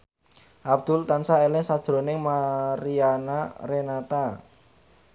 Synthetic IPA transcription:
ʔab̚d̪̥ʊ̤lt̪ansaelɪŋsad̥ʒ̥ɾonɪŋmaɾianarenat̪a

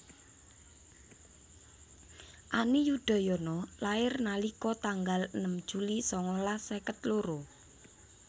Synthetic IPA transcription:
ʔanijud̪̥a̤jɔnɔlaɪrnalikɔt̪aŋɡalənəmd̥ʒ̥ulisɔŋɔlasekət̪loɾo

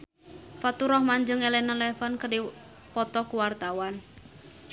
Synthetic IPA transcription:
fat̪uɾɔhmaɲd͡ʒɨŋɛlɛnanlɛfankədi | pɔt̪ɔkuwart̪awan

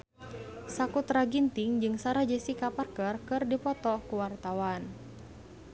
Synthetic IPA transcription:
sakut̪ɾaɡint̪iŋd͡ʒɨŋsaɾad͡ʒɛsikaparkərkɨrdipɔt̪ɔkuwart̪awan

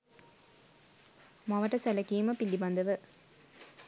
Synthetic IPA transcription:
mɐʋɐʈːɐsɐlɐkiːmɐpilːibɐnd̪ɐʋɨ

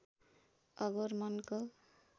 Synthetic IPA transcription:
ʌɡoɾmʌnko

